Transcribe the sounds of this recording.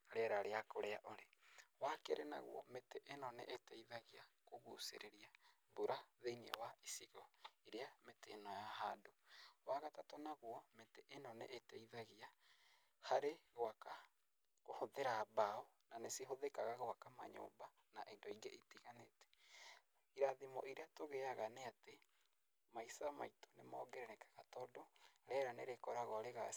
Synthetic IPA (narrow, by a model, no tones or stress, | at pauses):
ɾeɾaɾeakoɾeaʔoɾewakḛɾena̰ɣw̰ɔ̰meteʔenɔnḛʔetɛiðaɣiakoɣusḛɾeɾia | buɾaðeiniɛ̰waisiɣɔeɾeametenɔjahadowaɣatatonaɣwɔmeteʔenɔnḛʔːteiðaɣia | haɾeɣwaka | kohoðeɾaβaɔ | naneseɦoðekaɣaɣwakama̰ɲo̰ːmba | naʔendɔiŋɡeʔetiɣanetɛ̥ | iɾaðimɔ̰ʔiɾeatoɣeaɣaneate | maisama̰ito̥nemɔːɡɛɾɛɾɛkḁɣatɔdɔɾɛɾanḛɾekɔɾaɣɔɾeɣa